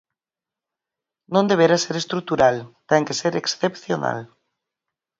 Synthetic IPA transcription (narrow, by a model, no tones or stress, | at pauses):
nõnd̪eβ̞eɾaseɾest̪ɾut̪uɾalt̪ɛŋkeseɾeksθepθjona̰l